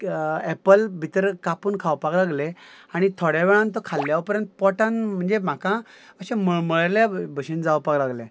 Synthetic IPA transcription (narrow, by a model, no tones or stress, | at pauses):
ɛpəlbʱit̪əɾkapuːnkʰawpaklaɡleaɽ̃it̪ʰoɽjaʋɛɭãnt̪əkʰalːjaʋpəɾjənt̪pɔʈãnm̤əɳd͡zem̤akã | əɕẽməɭməɭəɾljabʱəɕind͡zawpaklaɡle